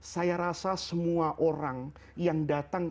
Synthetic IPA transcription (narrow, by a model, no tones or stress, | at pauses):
sajaɾasasəmuaʔoɾaŋjaŋdat̪aŋ